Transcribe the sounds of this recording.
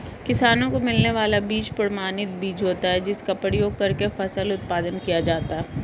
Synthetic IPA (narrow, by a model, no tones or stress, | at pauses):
kɪsaːnõkomɪlneʋaːlabiːt͡ʃpəɽmaːnɪt̪̚biːt͡ʃɦoːt̪aɦɛd͡ʒɪskapəɽjoːɡ̚kɐɾkefɐsəlʊt̪̚paːd̪ənkijad͡ʒaːt̪aɦɛ